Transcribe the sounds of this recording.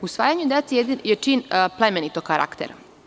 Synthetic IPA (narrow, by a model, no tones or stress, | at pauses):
usʋaːjaɲud̪et̪sejet͡ʂinplˠemenit̪okaɾa̰kt̪ḛɾ